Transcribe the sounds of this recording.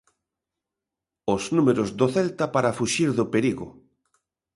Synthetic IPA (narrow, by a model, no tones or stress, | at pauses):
oznumeɾozðoθɛlt̪apaɾafuʃiɾðopeɾiɣʊ̰